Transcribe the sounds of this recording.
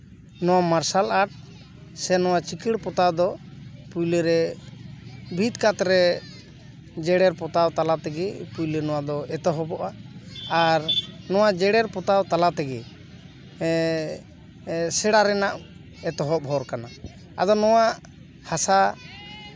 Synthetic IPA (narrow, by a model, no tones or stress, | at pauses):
nɔwamaɾsalaɾʈ̚ | sɛnɔwat͡ʃikiɽpɔt̪ad̪ɔpujlɛɾɛ | bʱit̪kat̪ɾɛ | d͡ʒɛɽɛɾpɔt̪awt̪alat̪ɛɡɛpujlenɔwad̪ɔɛt̪ɔɦɔbɔʔaː | ɾnɔwad͡ʒɛɽɛɾpɔt̪awt̪alat̪ɛɡɛ | sɛɽaɾɛnaʔ | ɛt̪ɔɦɔp̚ɦɔɾkana | ad̪ɔnɔwaʔ | hasa